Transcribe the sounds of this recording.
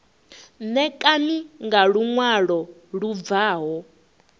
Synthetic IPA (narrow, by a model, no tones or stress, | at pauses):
nɛkʼaniŋɡaɺuŋwaɺɔɺuvaːɦɔ